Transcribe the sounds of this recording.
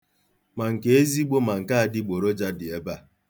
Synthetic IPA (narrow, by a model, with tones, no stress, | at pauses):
ma˨ŋ̩˨ke˨e˦zi˦ɡ͡bo˦ma˨ŋ̩˨ka˦a˨dɪ˦ɡ͡bo˨ɾo˦d͡ʒa˦dɪ˨e˦ba˦˨